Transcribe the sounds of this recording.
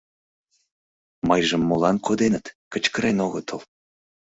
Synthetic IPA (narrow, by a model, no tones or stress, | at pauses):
məjʒəmːolɑnkod̪enət̪kət͡ɕkəɾenoɣət̪ʰəl